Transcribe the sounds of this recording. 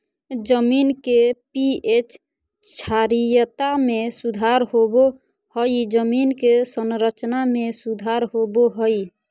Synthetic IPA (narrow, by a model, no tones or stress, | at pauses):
d͡ʒəminkepiet͡ʃ | t͡ʃʰaɾijət̪amesud̪ʱaɾɦobo | həjd͡ʒəminkesənɾət͡ʃnamesud̪ʱaɾɦoboɦəj